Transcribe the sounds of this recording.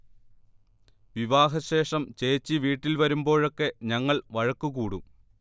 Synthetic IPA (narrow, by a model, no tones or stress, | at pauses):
ʋiʋaːɦɐɕe̞ːʂɐmt͡ɕe̞ːt͡ɕːiʋiːʈːilʋɐɾumbo̞ːɻo̞kːe̞ɲɐŋːɐɭʋɐɻɐkːukuːɽṵ